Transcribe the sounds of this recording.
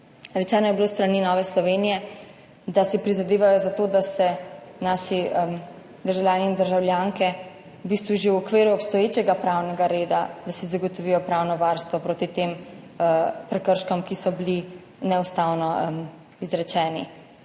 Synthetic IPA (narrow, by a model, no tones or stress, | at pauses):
ɾɛt͡ʃɛːnɔjɛbiloːst̪ɾaninɔːʋɛslɔʋeːnijɛ | d̪asɛpɾizad̪eːʋajɔzat̪oːd̪asɛnaʃim | d̪əɾʒawlʲjaːniːnd̪əɾʒawljaŋkɛ | bist̪ʋuʒewɔkʋeːɾuɔpst̪ɔjeːt͡ʃɛɡapɾawnɛɡaɾeːd̪ad̪asɛzaɡɔt̪ɔʋijɔpɾawnɔʋaɾst̪ʋɔpɾoːt̪it̪em | pɾɛkəɾʃkɔmkisɔbili | nɛust̪awnɔm | izɾɛt͡ʃɛːnḭ